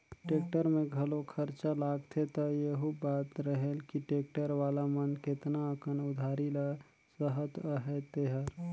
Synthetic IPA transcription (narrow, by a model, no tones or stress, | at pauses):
ʈeːk̚ʈəɾmẽɡʱəlokʰəɾt͡ʃalaːɡt̪ʰet̪ɔjeɦubaːt̪ɾəɦelkiʈeːk̚ʈəɾʋaːlamənkɪt̪naəkənʊd̪ʱaːɾila | səɦət̪əɦɛt̪eɦəɾ